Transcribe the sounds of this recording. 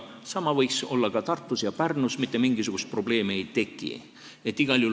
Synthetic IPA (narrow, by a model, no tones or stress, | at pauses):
sɑmɑvɤjkso̞lːɑkɑt̪ɑrt̪ːusjɑpærnusmit̪ːˑemiŋɡ̥isuɡ̥ust̪̚pro̞b̥le̞ːmiejt̪e̞kːˑḭ | e̞t̪ːˑiɡ̥ɑlʲju